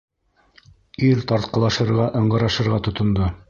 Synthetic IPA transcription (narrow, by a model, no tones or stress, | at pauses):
iɾt̪ɑɾt̪̚qɤ̆lˠɑʃɤ̆ɾʁɑʔɤ̆ɴɢɤ̆ɾɑʃɤ̆ɾʁɑt̪ŏt̪ŏnd̪o